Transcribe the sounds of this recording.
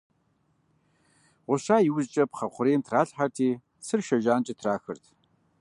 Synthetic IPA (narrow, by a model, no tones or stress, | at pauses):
ʁʷʊɕaːjiwzt͡ʃʼɐpχɐχʷʊɾeːntʰraːɬħartʰiː | sʰɨrʃɐʒaːnt͡ʃʼɪtʰraːxɨrtʰ